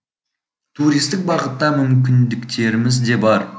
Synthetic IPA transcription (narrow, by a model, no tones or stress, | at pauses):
t̪ʰuɾijst̪ɪk̚bɑʁət̪ːɑmʏmkʲɪnd̪ɪkt̪ʰe̞ɾɪmɪzd̪e̞bɑɾ